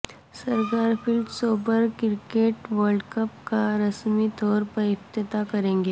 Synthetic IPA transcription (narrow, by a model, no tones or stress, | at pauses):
sɐɾkaːɾpɪldsoːbəɾkɪɾkeːʈʋəɾɖkɐpkaɾɐsmit̪ɔːɾpɐɾɪft̪ɪt̪akɐɾẽːŋɡeː